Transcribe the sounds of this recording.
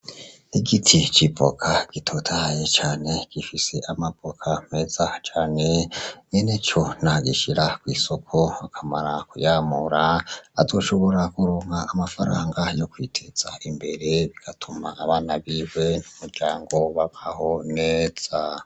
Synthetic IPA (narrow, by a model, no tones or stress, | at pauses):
iɡitʰit͡ʃipo̞̰kʰaɡ̥itʰotʰahjet͡ʃaːne̞ɡ̥ifise̞ʔamapokʰame̞z̥at͡ʃaːne̞ŋenet͡ʃo̞naɡḭʃiɾakwiːso̞kʰo̞akʰama̰ɾakujaːmuɾaa̰zo̞ʃo̞βo̞ɾakuɾuːŋɡaːmafa̰ɾa̰ːŋɡajo̞kwiːtʰez̥a̰imbe̞ɾe̞βiɡ̥atʰumaːβaːnaβiːwe̞n̥umuɾɟaːŋɡo̞βaβaho̞neːz̥a